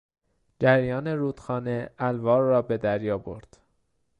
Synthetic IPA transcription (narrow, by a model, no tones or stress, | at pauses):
d͡ʒæɾjɒːne̞ɾuːd̪̥xɒːne̞ælvɒːɾːɒːbe̞d̪æɾjɒːbo̰ɾd̪̥